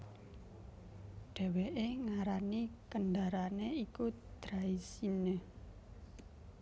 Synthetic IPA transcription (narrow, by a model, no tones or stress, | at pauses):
ɖ̥ɛ̤weʔeŋaɾanikənɖaɾaneikud̪̥ɾaisinə